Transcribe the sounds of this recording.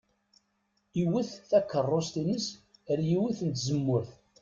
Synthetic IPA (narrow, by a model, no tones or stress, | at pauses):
iwiθθækːərˤːost̪inəsəɾjiwiθənt̪zəmːʊɾθ